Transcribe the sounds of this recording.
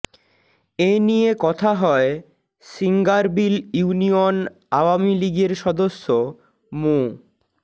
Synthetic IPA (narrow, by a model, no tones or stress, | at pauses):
enijekɔt̪ʰaɦɔe | siŋɡaɾbiljuunion | aoamiliɡeɾʃɔd̪osːo | mo